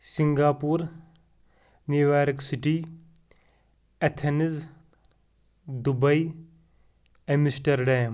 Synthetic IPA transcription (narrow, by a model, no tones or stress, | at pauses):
siŋɡaːpuːɾ | niʋaːɾiksiʈi | ɐt̪ʰeniz | d̪ubɐj | emisʈɐɾɖaːm